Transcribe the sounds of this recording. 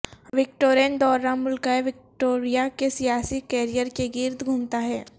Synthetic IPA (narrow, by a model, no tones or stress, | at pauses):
ʋɪkʈoːɾend̪ɔːɾːãmʊlkaeʋɪk̚ʈoːɾijakesijaːsikɛːɾijəɾkeɡɪɾd̪ɡʱʊmt̪aɦɛː